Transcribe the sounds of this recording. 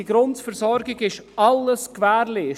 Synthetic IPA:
iɡɾʊntfəɾsɔɾɡɪɡɪʃɑləskvæːɾleː

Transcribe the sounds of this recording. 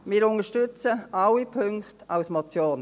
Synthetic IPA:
mɪːɾʊŋəʃtʏt͡səawipʰʏŋktaʊsmɔt͡sjoːn

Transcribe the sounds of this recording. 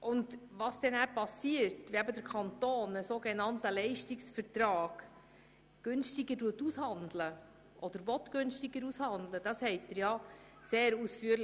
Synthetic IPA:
ʔʊndʋɑsd̥ɛnæpɑsiəɾtʋeæbədəɾkʰɑntoːnəsoːɡɛnɑntəlɛɪʃtɪksfəɾtrɑːɡ̥ | ɡ̥ʏnstɪɡəduətushɑndlə | ʔɔd̥̪əɾʋɔtɡ̥ʏnstɪɡəɾushɑnd̪ləd̥ɑshɛɪtdəɾjɑ | seːɾusfyːəɾl

